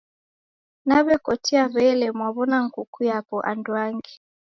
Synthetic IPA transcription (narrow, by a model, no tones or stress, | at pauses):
naβɛkɔtiaβɛlɛmwaβɔnaŋ̩kukujapɔʔa̰ndwaŋɡi